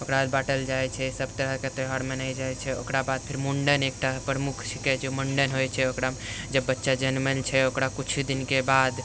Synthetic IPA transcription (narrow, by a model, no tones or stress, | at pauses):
okɾad̪baʈəld͡ʒajt͡ʃʰɛsəbt̪əɾəket̪əɦaɾmenajd͡ʒajt͡ʃʰɛo̰kɾabad̪̚pʰiɾmoɳɖənek̚ʈapɾəmukʰt͡ʃʰikɛd͡ʒemoɳɖənɦojt͡ʃʰɛokɾad͡ʒəbːətːʃad͡ʒənment͡ʃʰɛokɾakut͡ʃʰud̪inkebad̪